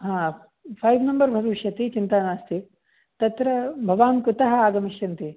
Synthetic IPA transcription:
ɦãː | pʰɐjʋnɐmbɐɾbʱɐʋiʃjɐt̪it͡ʃint̪aːnaːst̪i | t̪ɐt̪ɾɐbʱɐʋaːnkɾut̪ɐɦɐ̆aːɡɐmiʃjɐnt̪i

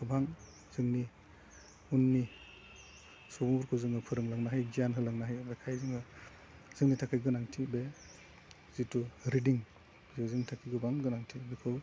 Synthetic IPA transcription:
kɯbaŋ | z̥ɯŋni | unːi | sɔmuɾkʰɯzɯŋɯpʰɯɾɯŋlɯŋnaɦajɡijanɦɯlɯŋnaɦajbakʰajzɯŋɯ | z̥ɯŋnitʰakʰɯɡɯnaŋtʰibe | zituɾidiŋ | zizɯŋnitʰakʰiɡɯbaŋɡɯnaŋtʰibikʰɯw

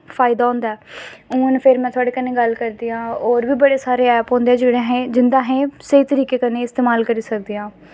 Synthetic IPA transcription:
fʰaːɪd̪aːõːnd̪aɛːũːnpʰɪɾmɛ̃ːt̪ʰʊaːɽeːkənẽːɡəlkəɾd̪iːãːɔːɾʋiːbəɽeːsaːɾeːɛːpɦõːnd̪eɛːd͡ʒeːɽãːɦɛ̃ːd͡ʒɪnd̪ãːɦɛ̃ːsəiːt̪əɾiːkeːkənẽːɪst̪eːmaːlkəɾiːsək̚d̪iːãː

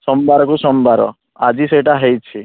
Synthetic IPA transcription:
sɔmbʱaɾɔkusɔmbʱaɾɔ̰ | ad͡ʒiseʈaɦejt͡ʃʰi

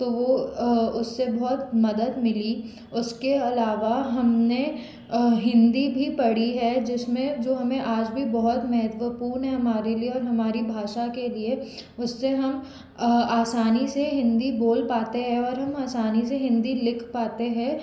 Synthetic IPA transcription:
t̪oʋoʊsːebɔɦʊt̪mɐd̪əd̪mɪli | ʊskeɐlaːʋaɦɐmne | ɦɪ̃nd̪ibʱipɐɽiɦɛd͡ʒɪsmẽd͡ʒoːɦɐmẽʔaːd͡ʒbʱibɐɦɔt̪mɛɦət̪ʋəpuːɾnɦɛɦɐmaːɾelieɔːɾɦɐmaːɾibʱaːʃakelie | ʊsːeɦɐm | aːsaːniseɦɪ̃nd̪iboːlpaːt̪eɦɛ̃ɔːɾɦɐmaːsaːniseɦɪ̃nd̪ilɪkʰpaːt̪eɦɛ̃

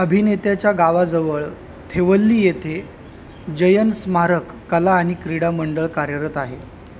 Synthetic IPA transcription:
əbʱinet̪jat͡ɕjaɡaʋad͡zəʋəɭ | t̪ʰeʋəlːiːjet̪ʰe | d͡ʑəjənsmaɾəkːəlaːɽ̃ikɾiɽaməɳɖəɭkaɾjəɾət̪aɦe

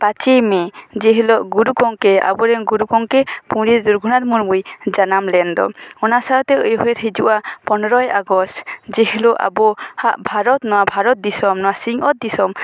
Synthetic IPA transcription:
pat͡ʃejmed͡ʒeɦilɔʔɡuɾukɔŋkɛa̰buɾɛŋɡuɾukɔŋkɛpũɽiɾd̪uɾɡʱunat̪muɾbujd͡ʒanamlɛnd̪ɔ̰ɔnasaɾt̪ɛjɦɔeɾɦed͡ʒṵʔapɔnɔɾɔjaɡɔst̪d͡ʒeɦiloʔa̰bɔhaʔbʱaɾɔt̪nɔwabʱaɾɔt̪̚d̪isɔmnɔwasiŋɔt̪̚d̪isɔm

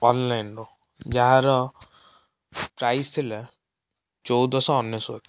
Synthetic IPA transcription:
ɔnlajnɖo | d͡ʒaɦãɾɔ | pɾajst̪ʰilɛ | t͡ʃɔwd̪ɔsɔːnːjɔsok̪

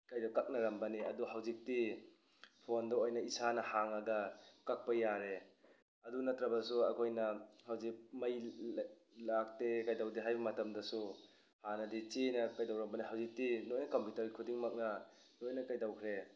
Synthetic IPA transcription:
kajdawkak̚nɐɾɐmbɐniɐ̰duɦawzik̚ti | pʰondɐojnɐisanɐhaŋaɡɐkak̚pɐjaɾe | ɐdunɐtɾɐbɐsuɐkʰojnɐhawzik̚mɐj | lak̚tekajdawdiɦajbɐmɐtɐmdɐsu | hanɐdit͡ʃenɐkajdawɾɐmbɐniɦawzik̚tinojnɐkompjutɐɾikʰudiŋmak̚nɐ | nojnɐkajdawkʰɾe

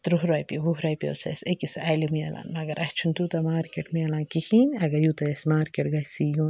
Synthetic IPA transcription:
t̪ɾuɦɾaːjpiɦuɦɾaːjpio̰ːsɐ̰sekisaːjlimujɐ̰la̰ːnmɐɡɐɾʔɐt͡ʃʰunt̪ut̪ɐmaːɾkeːʈmɨjɐlaːnkihiːnɐɡɐɾjuːt̪ɐjɐsmaːɾkeʈɡɐsijuːn

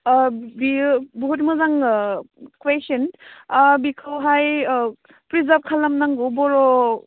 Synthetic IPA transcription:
bibuɦutmɐzaŋ | kwesen | bikʰawɦaj | pɾizap̚kʰalamnaŋɡɔbɔɾɔ

